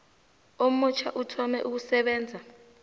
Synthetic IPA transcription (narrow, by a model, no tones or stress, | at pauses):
om̩ut͡ʃʰa̰ʔutʰɔmɛ̰ʔuk̬usɛɓɛːnd͡zʱa